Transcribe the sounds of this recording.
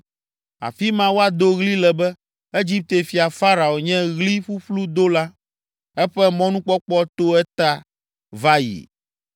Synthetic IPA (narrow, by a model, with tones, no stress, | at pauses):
a̰˨fi˦mã˦wo˦a˨d̪o˦ɣli˦lɛ˨bɛ˦ | e˦d͡ʑi˦p̚t̪e˨fi˨a˨fa˦ɾa˨o˨ɲɛ̃˦ɣli˦ɸu˦ɸlu˦d̪o˦la˦ | ɛ˦ɸɛ˦mɔ̃˦nũ˦k͡pɔ˦k͡pɔ˦t̪o˦ɛ˦t̪a˦ | va˦jḭ˨